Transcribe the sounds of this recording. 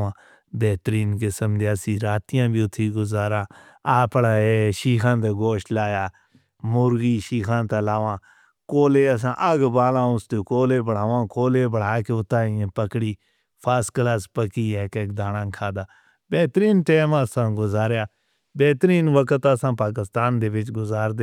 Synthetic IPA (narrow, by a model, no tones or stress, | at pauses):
ãː | bɛːt̪ɾiːnkɪsəmd̪eaːsĩːɾaːt̪ijãːbʱiːʊt̪ʰːiːɡʊzaːɾãː | aːpɽaːeːʃiːkʰãːnt̪eːɡoːʃlaːjaː | mʊɾɡiːʃiːkʰãːt̪eːlaːʋãː | koːleːəs̬ãːʔəɡbaːlãːʊst̪eːkoːleːbəɽ̤aːʋãːkoːleːbəɽ̤aːkeʊt̪ːaːĩːẽːpəkɽiː | pʰaːsklaːspəkiːɛːkeːkd̪aːnãːkʰaːd̪aː | bɛːt̪ɾiːnʈeːmaːsãːɡʊzaːɾjaː | bɛːt̪ɾiːnʋəkət̪əsãːpaːk̬ɪst̪aːnd̪eːʋɪt͡ʃɡʊzaːɾd̪eː